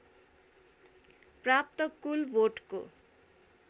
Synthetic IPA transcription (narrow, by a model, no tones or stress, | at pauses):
prap̚t̪ʌkulwoʈko̰